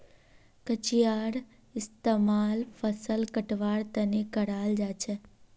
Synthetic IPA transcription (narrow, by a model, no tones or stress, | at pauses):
kət͡ʃijaːɾ | ɪst̪eːmaːlfʰəsəlkəʈʋaːɽt̪ɐnekəɽaːld͡ʒaːt͡ʃʰɛ